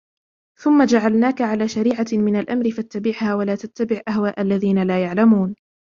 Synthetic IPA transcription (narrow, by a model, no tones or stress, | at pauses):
θʊmːad͡ʒaʕalnaːkaʕalaːʃaɾiːʕamɪnalʔamɾɪfat̪ːabɪʕhaːwalaːt̪at̪ːabɪʕʔahwaːʔalːaðiːnalaːjaʕlamuːn